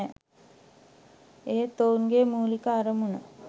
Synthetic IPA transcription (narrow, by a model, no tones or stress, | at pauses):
eːt̪ounɡeːmuːlikəaɾəmunə